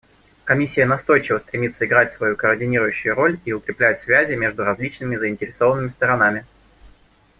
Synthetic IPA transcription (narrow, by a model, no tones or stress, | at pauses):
kɐmʲisʲːɪjənɐst̪o̞jt͡ɕɪvəst̪ɾʲɪmʲit̪səɪɡɾatʲsvɐjukəːrdʲɪnʲiɾʊjʉɕːʊjʊɾo̞lʲiʊkɾʲɪplʲæt̚ʲsvʲæzʲɪmʲe̞ʐd̪ʊɾɐzʲlʲit͡ɕnɨmʲɪzəɪnʲtʲɪɾʲɪso̞vənːɨmʲɪst̪əɾɐnamʲɪ